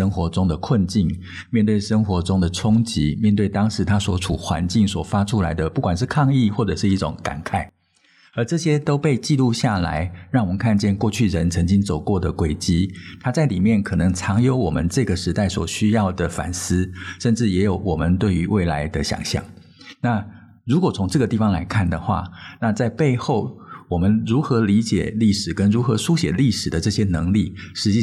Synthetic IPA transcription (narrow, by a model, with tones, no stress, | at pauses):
ə˥ŋxwɔ˧˥ʈ͡ʂʊ˥ŋd̪ə˨kʰwə˥˧nt͡ɕi˥˩n | mjɛ˥˧nt̪we˥˩ɪʂə˥ŋxwɔ˧˥ʈ͡ʂʊ˥ŋd̪ə˨ʈ͡ʂʰʊ˥ŋt͡ɕi˧˥mjɛ˥˧nt̪we˥˩ɪt̪ɑ˥ŋʂɻ̩˧˥t̪ʰa˥swɔ˧˥ʈ͡ʂʰu˨˩xwa̰˧˥nt͡ɕi˥˩ŋswɔ˨˩fa˥ʈ͡ʂʰu˥la˧˥ɪd̪ə˧pu˥˩kwa˨˩nʂ̬ɻ̩˥˧kʰɑ˥˧ŋi˥˧xwɔ˥˩ʈ͡ʂɤ˨˩ʂɻ̩˥˧i˥˩ʈ͡ʂʊ̰˨˩˦ŋka̰˨˩nkʰa˥˩ɪ | ə˞˧˥ʈ͡ʂɤ˥˩ɕjɛ˥t̪o˥ʊpe˥˧ɪt͡ɕi˥˧lu˥˧ɕja˥˩la̰˧˦ɪɻɑ˥˩ŋwɔ˨˩mə˨˦ŋkʰa˥˧nt͡ɕjɛ˥˧nkwɔ˥˧t͡ɕʰy˥˩ɻə˧˦nt͡sʰɤ˧˥ŋt͡ɕi˥ŋt͡so˨˩ʊkwɔ˥˩d̪ə˩kwe˨˩ɪt͡ɕi˥t̪ʰa˥t͡sa˥˩ɪli˨˩mjɛ˥˩nkʰɤ˨˩nɤ˧˥ŋt͡sʰɑ˧˥ŋjo˧˥ʊwɔ˨˩mə̰˦nʈ͡ʂɤ˥˧ɡə˩ʂɻ̩˧˥t̪a˥˩ɪswɔ˨˩ɕy˥jɑ˥˩ʊd̪ə˩fa̰˨˩ns̩˥ʂə˥˧nʈ͡ʂɻ̩˥˩jɛ˧˥jo˧˩ʊwɔ˨˩mə˦nt̪we˥˩ɪy˧˥wʔe˥˩ɪla˧˥ɪd̪ə˨ɕjɑ̰˨˩ŋɕjɑ̰˥˩˦ŋ | na˥˩ | ɻu˧˥kwɔ˨˩t͡sʰʊ˧˥ŋʈ͡ʂɤ˥˩ɡə˩t̪i˥˩fɑ˧˥ŋla̰˧˥ɪkʰa˥˩nd̪ə˩xwa̰˥˩na˥˧t͡sa˥˧ɪpe˥˧ɪxo˥˩ʊwɔ˨˩mə˦nɻu˧˥xɤ˧˥li˧˥t͡ɕjɛ̰˨˩li˥˩ʂɻ̩˨˩kə˥nɻu˧˥xɤ˧˥su˥ɕjɛ˨˩li˥˩ʂɻ̩˨˩d̪ə˦ʈ͡ʂɤ˥˩ɕjɛ˥nɤ˧˥ŋli˥˩ʂɻ̩˧˥t͡ɕi˥˩